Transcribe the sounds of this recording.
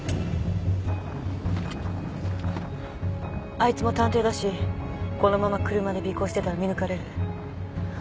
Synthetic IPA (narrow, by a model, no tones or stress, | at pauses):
ait͡sɨmo̞t̪ãnt̪e̞ːd̪aɕiko̞no̞mamakɯ̟ɾɯ̟mad̪e̞bʲiko̞ɕi̥t̪e̞t̪aɾamʲinɯ̟kaɾe̞ɾɯ̟